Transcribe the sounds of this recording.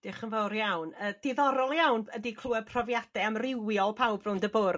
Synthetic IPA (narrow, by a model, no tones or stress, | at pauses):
d̥ɪχənvɔwrjawnəːd̥ɪðɔɾɔlˠjawnədikʰl̥uːɛpʰrɔvjad̥ɛamrɪwjɔlˠpʰawbrʊndəbʊr